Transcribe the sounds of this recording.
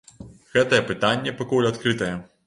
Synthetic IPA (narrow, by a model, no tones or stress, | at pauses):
ɣɛt̪ɐjɛpɨt̪anʲːɛpakulʲat̪kɾɨt̪ɐjɛ